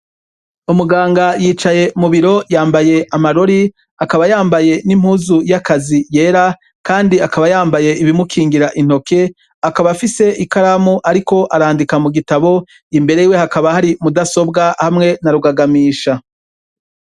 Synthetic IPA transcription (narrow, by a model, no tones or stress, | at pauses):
umuɡaːŋɡajiːt͡ʃaje̞muβiɾo̞jaːmbaje̞ʔamaɾo̞ɾi | akaβajaːmbaje̞nimhuːzujakazije̞ːɾa | kaːndiakaβajaːmbaje̞iβimukʰiːŋɡiɾaʔin̥ho̞kʰe̞ | akaβafise̞ʔikaɾamuʔaɾiko̞ʔaɾaːndikamuɡitaβo̞ | imbe̞ɾe̞iːwe̞hakaβahaɾimudaso̞bɡahamŋe̞naɾuɡaɡamiːʃa